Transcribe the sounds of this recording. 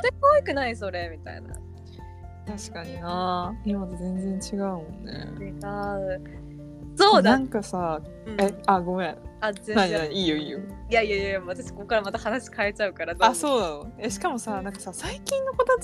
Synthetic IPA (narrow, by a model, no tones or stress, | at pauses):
t̪ekoikɯ̟naiso̞ɾemʲit̪a̰ḭna̰ | t̪aɕi̥kaɲ̟inaimad̪ezẽ̞nd͡zẽɲt͡ɕiɡaɯ̟mõ̞nːḛt͡ɕiɡaɯ̟ | so̞ːdnaãŋkasa | ɯ̃eaɡo̞eazẽ̞nãɲĩaɲiːjoiːjoijaiajajaat̪aɕi̥ko̞kːaɾamat̪ahanaɕi̥kae̞t͡ɕaɯ̟kaɾad̪oaso̞ːd̪aeɕi̥kamo̞sanãŋkasasaikʲĩnːo̞kot̪a